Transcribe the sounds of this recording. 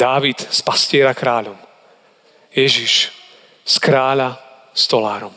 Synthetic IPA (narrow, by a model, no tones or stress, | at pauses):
d̪aːʋit̪spascɪɛɾakɾaːʎɔm | jɛʒiʃ | skɾaːʎa | st̪ɔlaːɾɔm